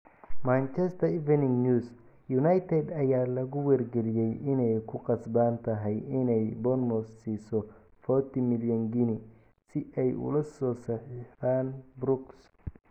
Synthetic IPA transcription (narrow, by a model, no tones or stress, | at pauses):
maːnt͡ʃɛst̪ʰɐivɛnɪŋnuːs | junajt̪ʰɛd̪ɐjaːlɐɣʊwɐrɡɛlɪjɛjʔɪnɛjkʰʊqɑsbaːnt̪ʰɐɦɛjɪnɛjbɔnmɔsːiːsɔ | fɔrt̪ʰimɪljɐŋɡɪnɪ | sɪʔɛjʊ̰lɐsɔːsɐħɪfaːnbɾʊks